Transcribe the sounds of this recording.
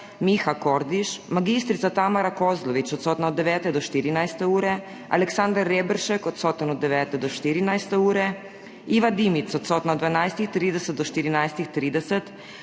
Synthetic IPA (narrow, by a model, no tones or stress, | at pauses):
mixakoːɾd̪iʃmaɡist̪ɾit̪sat̪amaɾakozlɔʋit͡ʃɔt̪soːt̪naɔd̪ːɛʋɛːt̪ɛd̪ɔʃt̪iːɾinajst̪ɛuːɾɛ | a̰lɛksand̪aɾːeːbɾʃɛkɔt̪soːt̪inɔd̪ːɛʋɛːt̪ɛd̪ɔʃt̪iːɾinajst̪ɛuːɾɛ | iːʋad̪imit̪sɔt̪soːt̪naod̪ʋanajst̪ixt̪ɾiːd̪ɛsɛt̪̚d̪ɔʃt̪iɾinajst̪ixt̪ɾiːd̪ɛsɛt̪